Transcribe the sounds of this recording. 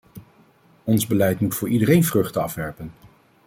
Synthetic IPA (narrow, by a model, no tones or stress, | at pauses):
ɔnzbəlɛjtmutfʊːɹidəɾejnvrɵχtəɑfʋɛɹpən